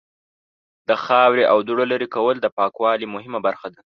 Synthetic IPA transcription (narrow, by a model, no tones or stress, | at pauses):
d̪̥əxɑwɾeʔawd̪uɽalaɾikawəld̪əpɑkwɑlimʊɦɪmabaɾxad̪a